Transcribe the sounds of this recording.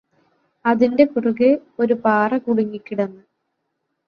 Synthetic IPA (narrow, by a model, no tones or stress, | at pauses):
ɐðinde̞kuruɣɨo̞ɾupaːrɐkuɽiŋːikʲːiɽɐnːɨ